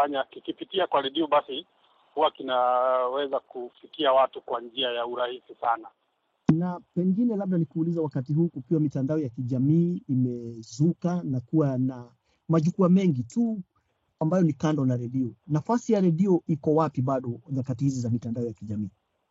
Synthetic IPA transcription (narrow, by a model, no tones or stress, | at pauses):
aɲakikipitiakwaɾɛɗiɔɓasi | huwakinawɛzakufikiawatukwand͡ʒiajauɾahisisana | napɛŋɡinɛlab̚ɗanikuːlizawakatiɦuːkukiwamitandaɔjakiʄamiːimɛzukanakuwana | maʄukuamɛŋɡitu | ambajɔnikandɔnaɾɛɗiɔnafasijaɾɛɗiɔʔikɔwapiɓaɗɔnakatihizizamitandaɔjakiʄamiː